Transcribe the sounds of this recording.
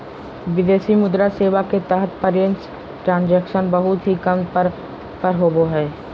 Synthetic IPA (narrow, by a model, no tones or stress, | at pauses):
ʋɪd̪eːsimʊd̪ɾaseːʋaket̪əɦət̪ʰpəɾjəns | ʈɾãːnd͡ʒɛkʃənbəɦʊt̪ɦikəmpɾ | pəɾɦoboɦɛː